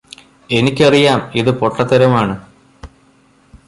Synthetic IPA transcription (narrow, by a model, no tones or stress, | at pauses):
e̞nikʲːɐrijaːmiðɨpo̞ʈːɐt̪ːɐɾɐmaːɳɨ